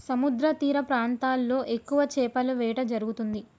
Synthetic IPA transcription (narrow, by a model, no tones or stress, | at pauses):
sɐmud̪ɾɐt̪iːɾɐpɾaːnt̪aːlːo̞ːʔe̞kːuʋɐt͡ʃɛːpɐluʋɛːʈɐd͡ʒɐɾuɡut̪und̪i